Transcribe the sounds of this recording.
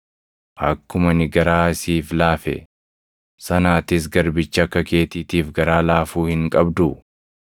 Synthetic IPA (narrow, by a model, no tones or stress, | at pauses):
hɐkːʊmɐnɪɡɐɾaːsiːflaːfɛ̰ | sɐnaːt̪ɪs̬ɡɐɾbɪt͡ʃːɐɐkːɐke̞ːt̪iːt̪iːfɡɐɾaːlaːfuːhɪŋkʼɐbd̪ʊ